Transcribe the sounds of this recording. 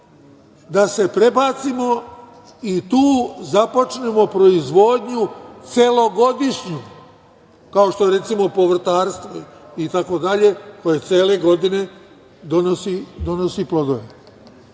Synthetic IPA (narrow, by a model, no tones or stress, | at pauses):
d̪ase̞pɾe̞baːt̪simo̞ | it̪uːzapo̞t͡ʃne̞mo̞pɾo̞izʋo̞d̪ɲut̪se̞lo̞ɡo̞d̪iʃɲim | kao̞ʃt̪o̞eɾe̞t̪simo̞po̞ʋr̩t̪aːɾst̪ʋoit̪ako̞d̪aʎe̞ko̞jet̪eːle̞ɡo̞d̪ine̞ | d̪onosid̪o̞no̞siplod̪oʋe